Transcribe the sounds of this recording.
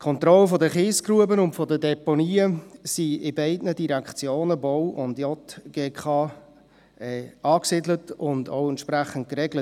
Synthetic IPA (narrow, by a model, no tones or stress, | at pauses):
kʰɔnt̪rɔləfɔdəχɪːskɾuəbənʊntfɔdədɛponiːəsiɪbæɪdnədiɾɛkt͡sjoːnəbowʔʊndjɔtɡ̥eːkʰɑː | ɛɑːksidlətʊndoʊɛntʃpɾæχən̩t̚kɾɛɡlət